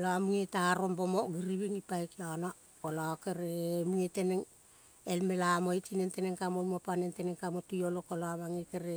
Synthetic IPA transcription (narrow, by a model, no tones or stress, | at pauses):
laamuŋetaɾo̞mbomoɡiɾiβiŋipajkiana | olakeɾemuŋeteneŋ | elme̞lamoit͡ʃinenteneŋkamolmuapanenteneŋkamotujolokoloamaŋekeɾe